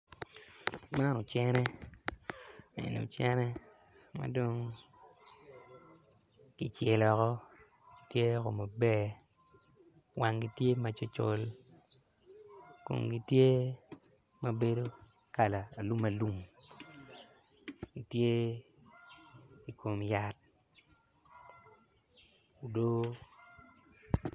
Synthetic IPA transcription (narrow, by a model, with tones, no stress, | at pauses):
ma˦no˨t͡ʃɛ˦ɾɛ˦ | ḛ˨no̰˨t͡ʃɛ˦ɾɛ˦ | ma̰˨do˦ŋ | ɡ̥i˨t͡ʃe˨lɔ˨kɔ˦˨ | tje˦ko˨ma˨bɛ˦˨ | wa˨ŋɡi˦tje˦ma˨t͡ʃo˦t͡ʃo˦l | ko̰˨ŋɡi˦tje˦ | ma˨be˦do˦ | ka˨laː˨lu˦ma˨lu˦m | ɡi˨tje˦ | i˨kʰo˨mja˨t̚ | u˨do˦